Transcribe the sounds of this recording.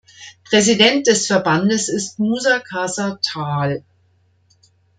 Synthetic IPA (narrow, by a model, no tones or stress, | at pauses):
pʁ̥ɛzidɛnt̚d̥ɛsfɛɐbandəsɪstmuːzakʰaːzatʰaːl